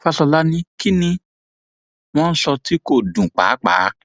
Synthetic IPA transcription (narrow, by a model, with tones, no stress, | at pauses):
fa˧sɔ˧la˦nĩ˦ki˦nĩ˧ | w̃ɔ̃˦n̩˦sɔ˧ti˦ko˦˨dũ˨k͡pa̰ː˨˦k͡pa̰ː˨˦